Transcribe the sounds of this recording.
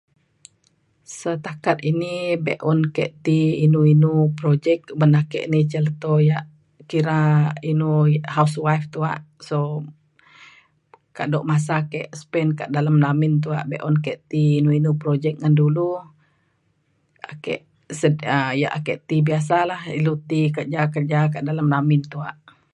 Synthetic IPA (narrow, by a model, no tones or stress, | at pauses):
sət̪akat̪inibḛʔɔnkɛʔt̪iːnuinupɾod͡ʒɛk̚bənakɛ̰ʔnit͡ʃəlt̪ojaʔ | kiɾainuhauswaift̪ua̰ʔso | kaʔdɔʔmas̬akɛʔspɛnkaʔdalamnamint̪̬uaʔbɛʔɔnkɛʔt̪iːnuinupɾod͡ʒɛk̚ŋandulu | akɛ̰ʔ | səəja̰ʔakɛʔt̪ibias̬alahḭlut̪ikərd͡ʒakərd͡ʒak̬aʔdalamnamint̪uaʔ